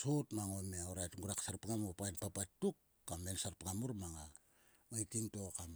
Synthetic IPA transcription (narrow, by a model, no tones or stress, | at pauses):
so̞tmaŋomeoɾajtŋɡuɾaksaɾpŋamupajnpapatːukːamensaɾpŋamuɾmaŋa | majtiŋto̞kam